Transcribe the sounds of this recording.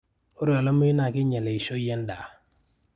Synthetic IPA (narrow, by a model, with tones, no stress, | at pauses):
o˦ɾɔ˨lə˦mə˦i˦na˨ki˦ɲɛ˨lɛ˨i˨ʃo˦jɛ˦nda˨